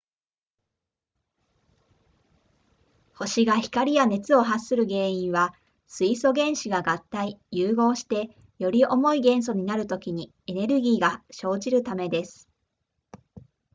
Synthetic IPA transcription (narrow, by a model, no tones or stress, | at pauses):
ho̞ɕiɡaçi̥kaɾʲijane̞t͡sɨo̞ɦasːɨɾɯ̟ɡe̞ːĩɰ̃βa | sɨiso̞ɡẽ̞ɰ̃ɕiɡaɡat̪ːaijɯːɡo̞ːɕi̥t̪e̞ | jo̞ɾʲiʔo̞mo̞iɡẽ̞ɰ̃s̬o̞ɲ̟inaɾɯ̟t̪o̞kʲiɲ̟i | e̞ne̞ɾɯ̟ɡʲiːɡaɕo̞ːʑiɾɯ̟t̪ame̞d̪e̞sɨ̥